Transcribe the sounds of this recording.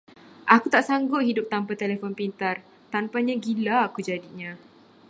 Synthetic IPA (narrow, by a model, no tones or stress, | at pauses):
ʔakut̪aʔsaŋɡʊʔ̪̚hidʊp̚t̪ampat̪elefɔnpint̪ar | t̪anpaɲãɡilaːkud͡ʒadiɲã